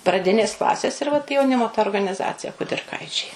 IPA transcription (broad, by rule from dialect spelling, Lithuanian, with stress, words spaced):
prɐˈdʲɪnʲeːs ˈklˠɑːsʲeːs ɪr ʋɐt jɛʊˈnʲɪmoː tɐ oːrɡɐnʲɪˈzɑːt͡sʲɪjɛ kʊdʲɪrˈkɐɪt͡ʃʲɛɪ